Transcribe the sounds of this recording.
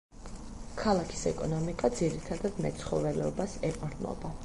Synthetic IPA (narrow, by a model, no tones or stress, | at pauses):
kʰalˠakʰi̥sɛkʼɔnɔmikʼad̪ziɾit̪ʰad̪ad̪mɛ̰t̪sʰχɔvɛlɛɔbasɛpʼɾnɔ̰ba